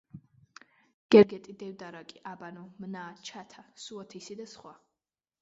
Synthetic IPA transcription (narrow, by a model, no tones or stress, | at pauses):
ɡ̥ɛɾɡɛt̪ʼid̪ɛvd̪aɾakʼiʔabanɔmnaːt͡ʃʰat̪ʰasuat̪ʰisid̪asχwa